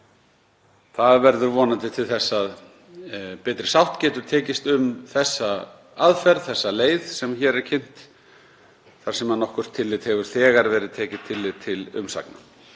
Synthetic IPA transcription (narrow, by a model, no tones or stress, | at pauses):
θaðvɛɾðʏɾvɔːnant̪ɪt̪ʰɪlθɛsːað | pɛːt̪ɾɪ̥sawht̪cɛːt̪ʏɾ̥t̪ʰɛːcɪst̪ʏmθɛsːa | aðfɛɾðθɛsːaleːjðsɛmçɛːɾɛɾ̥cʰen̥t̪ | θaɾsɛmanɔhkvʏr̥t̪ʰːɪlːɪt̪hɛvʏɾ̥θɛːɣaɾvɛːɾɪðt̪ʰɛːcɪ̥t̪ʰːɪlːɪðt̪ʰɪlʏ̰msa̰kna̰